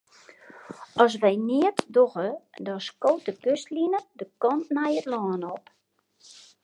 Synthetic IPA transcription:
ʔɔs̬ʋɛjniətdoɣədɔskowt̚dəkøstlinədəkɔntnajətlɔːnɔp

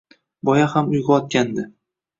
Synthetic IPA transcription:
bɒjahamʊjɡʲaɒt̪̚kʲand̪ɪ

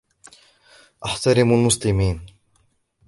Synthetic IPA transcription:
ʔaħt̪aɾɪmalmʊslɪmiːn

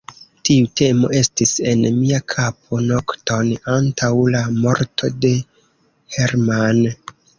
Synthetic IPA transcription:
tiute̞mo̞̰e̞stise̞nmiakʰap̚ʰo̞no̞kto̞nantʰawlamo̞ɾtʰo̞de̞ | heɾman

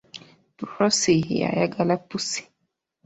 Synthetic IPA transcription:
puɾɔsija̰jaɡalapusi̥

